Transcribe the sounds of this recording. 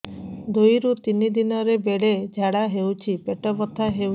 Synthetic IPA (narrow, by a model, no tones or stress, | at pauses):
d̪ujɾut̪inid̪inɔɾebeɽed͡ʒʱaɽaɦewt͡ʃʰipeʈɔbɔt̪ʰaɦe